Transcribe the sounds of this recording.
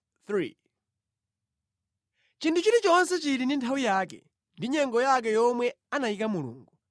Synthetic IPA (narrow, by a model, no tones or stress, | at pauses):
θɾḭ | t͡ʃintʰut͡ʃiɾit͡ʃɔnsɛt͡ʃiɾinintʰawijaːkɛ̰ | ndiɲɛŋɡɔjak̬ɛjɔmwɛ | anajikamulṵːŋɡu